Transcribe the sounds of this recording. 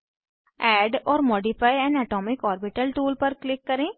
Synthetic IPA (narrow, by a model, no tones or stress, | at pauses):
ɛːɖɔːɾmɔːɖɪfʰaːjɛ̃ːnɛːʈɔːmɪkɦɔːɾbɪʈəlʈuːlpɐɾklɪkːɐɾẽː